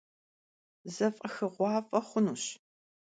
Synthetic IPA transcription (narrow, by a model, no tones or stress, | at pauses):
zɐfʼɐxɨʁʷɑːfʼɐχʷʊnuːɕ